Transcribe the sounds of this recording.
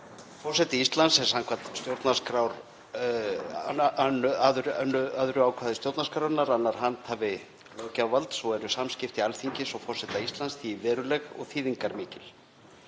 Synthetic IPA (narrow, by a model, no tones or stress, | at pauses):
fɔɾ̥sɛt̪ɪist̪lansɛ̥samkʰvat̪st̪jowɾt̪naskɾawɾ | anːʏaðɾnːʏaðʏɾʏaːwkʰvaːðɪst̪jowɾt̪naɾskɾawɾnaɾanːaɾ̥ɦant̪havɪ | lœwcawvalt̪sɔɛɾʏsamscɪft̪ialθiɲcɪsɔwfɔr̥sɛt̪aist̪lansθivɛːɾʏlɛɣɔ̰ɣθiːðiŋkaɾmɪːcɪl̥